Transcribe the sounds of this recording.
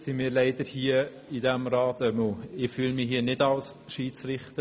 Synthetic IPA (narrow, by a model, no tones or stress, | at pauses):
simɪːɾlæɪd̥əɾhiə | idæmɾɑːtɛmoɪfyːlmɪɦiːənɪdɑlsʃiːt͡sɾɪχt̪ə